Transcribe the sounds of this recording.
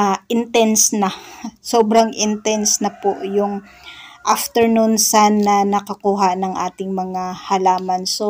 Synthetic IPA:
ʔɪnt̪ɛnsnɐsoːbɾɐŋʔɪnt̪ɛnsnɐpoʔjʊŋ | ʔɐft̪ɛɹnunsanːɐnɐkɐkuːɦɐnɐŋʔa̰ːt̪ɪŋmɐŋahɐlaːmɐnso

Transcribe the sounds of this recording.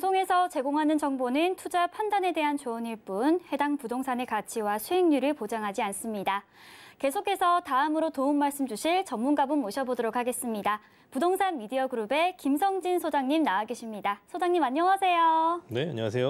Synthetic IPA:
sʰoŋe̞sʰʌt͡ɕe̞ɡoŋɦanɯnt͡ɕʌŋbonɯntʰud͡ʑapʰandane̞de̞ɦant͡ɕoʌniɭp͈unhe̞daŋpudoŋsʰane̞kat͡ɕʰiwasʰueŋɲuɾɯɭpod͡ʑaŋɦad͡ʑians͈ɯmɲida | ke̞sʰokʰe̞sʰʌtaɯmɯɾotounmaɭs͈ɯmd͡ʑuɕʰiɭt͡ɕʌmːunɡabɯnmoɕʰʌbodoɾokʰaɡe̞s͈ɯmɲida | pudoŋsʰanmidiʌɡɯɾube̞kimsʰʌŋd͡ʑinsʰod͡ʑaŋɲimnawaɡeɕʰimɲidasʰod͡ʑaŋɲimaɲʌŋasʰe̞jonea̰ɲʌŋas̬ʰejo

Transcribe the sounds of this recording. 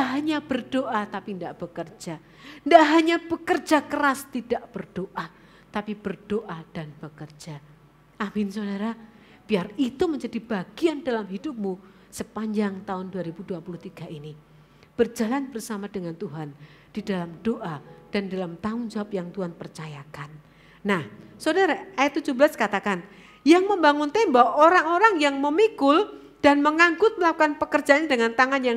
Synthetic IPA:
aɦaɲab̥ərdoʔat̪apindaʔb̥əkərd͡ʒa | ndaʔɦaɲab̥əkərd͡ʒakəɾast̪idaʔb̥ərd̥oʔa | t̪apib̥ərd̥oʔad̥anb̥əkərd͡ʒa | ʔamɪnsodaɾa | b̥iarit̪uməɲd͡ʒadibaɡ̥iandalamɦidʊp̚mu | səpaɲd͡ʒaŋt̪aʊnduaɾibuduapuluht̪iɡ̥aʔini | b̥ərd͡ʒalanbərsamadəŋant̪uɦan | d̥idalamd̥oʔad̥anidalamt̪aŋʊnd͡ʒaapjaŋt̪uanpərt͡ʃajakanː | ahsodaɾaajat̪ːud͡ʒubəlaskat̪akan | jaŋməmbaŋʊnt̪enbawaʔoɾaŋoɾaŋjaŋməmikʊl | d̥anməŋaŋɡʊt̪̚məlakukanpəkərd͡ʒaaɲadəŋant̪aŋanjaŋ

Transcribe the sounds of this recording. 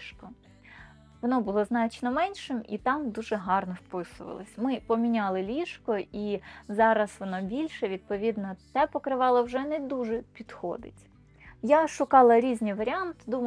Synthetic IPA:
kɔ | ʋɔnɔbʊlˠɔznɑt͡ʃnɔmɛnʲʃɪmḭt̪ɑmd̪uʒɛɦɑrnɔwpɪsʊʋɐ̰lˠɔ̰sʲmɪpɔmʲinʲɑlˠɪlʲiʃkɔizɑɾɐsʋɔnɔbʲilʲʃɛʋʲid̪̚pɔʋʲid̪nɔt̪ɛpɔkɾɪʋɑlˠɐwʒɛnɛd̪uʒɛpʲid̪̥xɔ̰d̪ɪ̰tʲ | jaʃʊkɑlˠɐɾʲizʲnʲijʋɐɾʲɪɑnt̪d̪um

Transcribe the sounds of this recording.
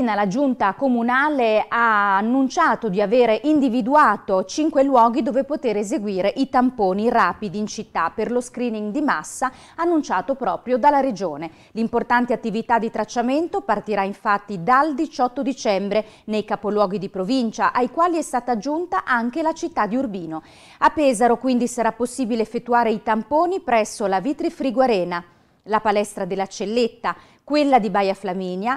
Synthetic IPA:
inalad͡ʒunt̪akomunaːleaːnːunt͡ʃaːt̪od̪iaveːɾeʔind̪ivid̪uaːt̪ot͡ʃiŋkwelwɔːɡid̪oːvepot̪eːɾezeɡwiːɾeʔit̪ampoːniraːpid̪iːnt͡ʃit̪ːaperloskɾiːniŋd̪ima̰sːa | anːunt͡ʃaːt̪opɾɔːpɾjod̪alːaɾed͡ʒoːne | limport̪ant̪eat̪ːivit̪ad̪ːit̪ɾat͡ʃːament̪opart̪iɾaiɱfat̪ːid̪ald̪it͡ʃɔt̪ːod̪it͡ʃɛmbɾe | nejkapolwɔːɡid̪ipɾovint͡ʃaʔajkwaːliɛst̪aːt̪ad͡ʒːunt̪aʔaŋk̟elat͡ʃit̪ːad̪iurbiːno | apːɛːzaɾokwind̪isaɾapːosːiːbileːfːet̪ːuaːɾeit̪ampoːnipɾɛsːolavit̪ɾifɾiɡwaɾɛːna | lapalɛst̪ɾad̪elːat͡ʃelːet̪ːa | kwelːad̪ibajaflamiːnja

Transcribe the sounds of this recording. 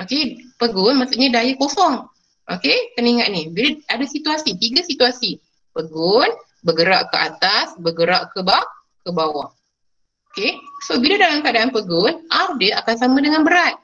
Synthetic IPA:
okepəɡʊnmasuʔɲadajakosɔŋ | ʔo̰kek̪əniŋaʔ̪̚nibiləadasit̪uasit̪iɡasit̪uasi | pəɡʊn | bəɡəɾaʔkəʔa̰t̪asbəɡəɾaʔkəba | kəbawah | okesobilədalamkadaːnpəɡʊnardəa̰kansamãdəŋanbəɾat̪̚

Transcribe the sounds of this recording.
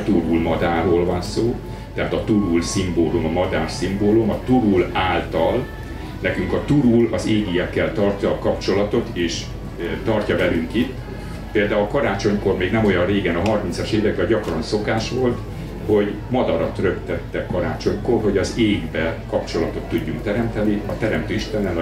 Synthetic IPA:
t̪uɾulmɒd̪aːroːlvɒnsoː | t̪ɛɦaːt̪ɒt̪uɾulsimboːlumɒmɒd̪aːrsimboːlumɒt̪uɾulaːlt̪ɒl | nɛkyŋkɒt̪uɾulɒzeːɡijɛkːɛlt̪ɒrcɒːkɒpt͡ʃo̞lɒt̪o̞t̪eːʃ | t̪ɒrcɒvɛlyŋkit̪ː | peːld̪aːulkɒɾaːt͡ʃo̞ɲko̞rmeːɡnɛmojɒnreːɡɛnɒɦɒrmint̪sɒʃeːvɛk̚bɛːɟɒkrɒnso̞kaːʃʋo̞lt̪ | ho̞ɟ | mɒd̪ɒɾɒt̪rø̞kt̪ɛt̪ːɛkɒɾaːt͡ʃo̞ɲkoːrho̞ɟɒzeːɡbɛkɒpt͡ʃo̞lɒt̪o̞t̪ːuɟːuŋkt̪ɛɾɛmt̪ɛniɒt̪ɛɾɛmt̪øːiʃt̪ɛnːɛl

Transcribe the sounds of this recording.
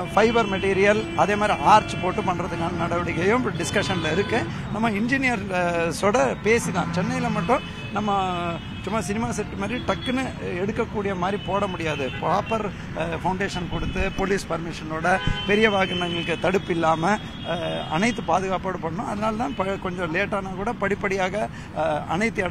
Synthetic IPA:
fɐɪbɐɾmɛʈiːɾɪjɐlɐðeːmaːd̪ɾiʔaːɾt͡ʃpoːʈːɯpɐɳːɾɐðɯkːaːnɐnɐɽɐʋɯɽɯɣɐjɯ̃mɖɪskɐʂɐnɪlɐɪɾɯkːɯ | nɐmːɐɪnd͡ʒɪnɪjɐɾsoːɽɐpeːsit̪ã̰ːt͡ʃɛnːɐjɪlɐmɐʈːʊ̃ | nɐmːɐ | t͡ʃʊmːɐsɪnɪmaːsɐʈːɯmaːd̪ɾiʈɐkːɯnɯɛɽɯkːɐkːuːɽɪjɐmaːd̪ɾipoːɽɐmʊɽɪjaːðɯpaːpɐɾ | fɐʊ̃ɳɖeːʂɐnkɔɽɯt̪ːɯpoliːspɐɾmɪʂɐnoːɽɐpɛɾɪjɐʋaːɣɐnɐŋɡɐɭɯkːɯt̪ɐɽɯpːɪlːaːmɐ | ɐ̰nɐɪt̪ːɯpaːðɯɣaːpoːɽɯpɐɳːʊ̃ɐðɐnaːlɐt̪ãːpɐkɔɲd͡ʒɔ̃leːʈːaːnaːkuːɽɐpɐɽɪpːɐɽɪjaːɣɐ | ɐ̰nɐɪt̪ːɯɐɽ

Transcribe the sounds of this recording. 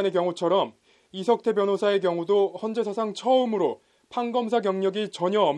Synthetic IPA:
nekjʌŋut͡ɕʰʌɾʌm | isʰʌk̚tʰe̞bjʌnɦosʰae̞k̬jʌŋudohʌnd͡ʑe̞sʰasʰaŋt͡ɕʰʌɯmɯɾo | pʰaŋɡʌmsʰaɡjʌŋɲʌɡit͡ɕʌɲʌʌm

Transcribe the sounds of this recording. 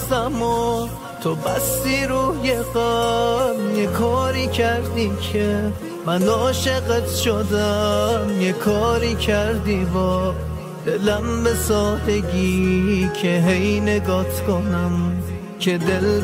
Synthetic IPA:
æmo | t̪ʰobæst̪iːɾuːjeɣæmjekʰɒːɾiːkʰæɾd̪iːkʰe | mænd̪ɔːʃeɣet̪ʃod̪amjekʰɒːɾiːkʰæɾd̪iːbɒː | d̪̥elæmbesɒːd̪eɡiːkʰeɦejneɡɒːt̪ʰkʰonæm | kʲʰed̪el

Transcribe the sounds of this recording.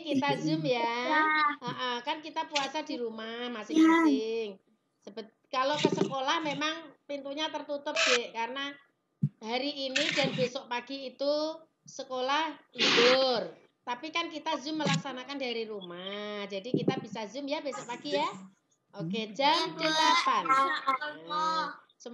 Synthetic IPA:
kit̪azʊmja | əʔəkankit̪apuasadiɾumahmasɪŋmasɪŋ | səbət̪̚kalokəsəkolahmemaŋpint̪uɲat̪ərt̪ut̪ʊp̚d͡ʒeʔkaɾəna | haɾiʔːnidanbesɔʔpaɡ̥iːt̪u | səkolahibʊr | t̪apikankit̪azʊmːəlaksanakandaɾiɾumahd͡ʒadikit̪ab̥isazʊmjabesɔʔpaɡija | ʔoked͡ʒad̥əlapan | sə

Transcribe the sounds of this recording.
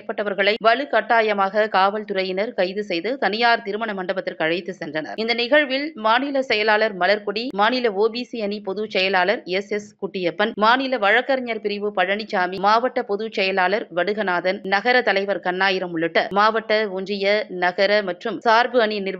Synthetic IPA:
pːɐʈːɐʋɐɾɣɐɭɐɪʋɐɭɯkɐʈːaːjɐmaːɣɐkaːʋɐlt̪ʊɾɐjɪnɐɾkɐɪðɯsɛjðɯt̪ɐnɪjaːɾt̪ɪɾɯmɐɳɐmɐɳɖɐbɐt̪ːɪɾkːɐɻɐjt̪ːɯsɛndrɐnɐ̰ɾɪnd̪ɐnɪɣɐɻʋɪlmaːnɪlɐsɛjɐlaːlɐɾmɐlɐɾkɔɽimaːnɪlɐoːbiːsiɐnipɔðut͡ʃɛjɐlaːlɐɾɛsɛskʊʈːɪjɐpːɐnmaːnɪlɐʋɐɻɐkːɐɾɐɲɐɾpɪɾɪʋɯpɐɻɐɳɪt͡ʃːaːmimaːʋɐʈːɐpɔðut͡ʃɛjɐlaːlɐɾʋɐɽɯɣɐnaːðɐnnɐɣɐɾɐt̪ɐlɐɪʋɐɾkɐnːaːjɪɾɐmʊɭːɯʈːɐmaːʋɐʈːɐʊnd͡ʒrɪjɐnɐɣɐɾɐmɐʈrɯmsaːɾbɯɐninɪɾʋ

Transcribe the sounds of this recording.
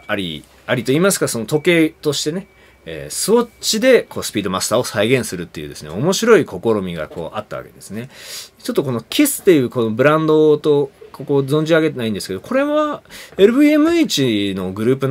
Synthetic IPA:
aɾʲḭ | aɾʲit̪o̞iːmasɨ̥kaso̞not̪o̞ke̞ːt̪o̞ɕi̥t̪e̞ne̞ | ḛːsɨβo̞t͡ɕid̪e̞ko̞ːsɨ̥pʲiːd̪o̞masɨ̥t̪aːo̞saiɡẽ̞ɰ̃sɨɾɯ̟t̪ːe̞jiɯ̟ːd̪e̞sɨnḛo̞mo̞ɕiɾo̞iko̞ko̞ɾo̞mʲiɡa̰ko̞̰ːʔa̰t̪ːaβa̰ke̞d̪e̞sɨne̞t͡ɕo̞t̪ːoko̞no̞kʲʰesɨ̥t̪ːe̞jɯ̟ːko̞no̞bɯ̟ɾãnd̪o̞t̪o̞koko̞zõ̞ɲ̟d͡ʑiaɡe̞t̪e̞naĩnd̪esɨ̥ke̞d̪o̞ko̞ɾe̞βaeɾɯ̟bɯemɯ̟it͡ɕino̞ɡɯ̟ɾɯ̟ːpɯ̟n

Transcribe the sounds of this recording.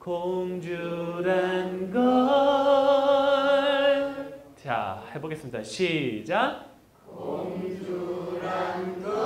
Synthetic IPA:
koŋd͡ʑuɾanɡʌ | t͡ɕa̰he̞boɡe̞s͈ɯmɲidaɕʰid͡ʑa

